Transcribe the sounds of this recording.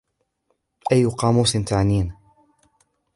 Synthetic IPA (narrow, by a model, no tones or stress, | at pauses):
ʔajːʊqɑːmuːsɪnt̪aʕniːn